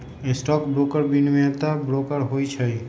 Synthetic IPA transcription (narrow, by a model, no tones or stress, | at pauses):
esʈɔkbɾokəɾbinmẽt̪abɾokəɾɦojt͡ʃʰəj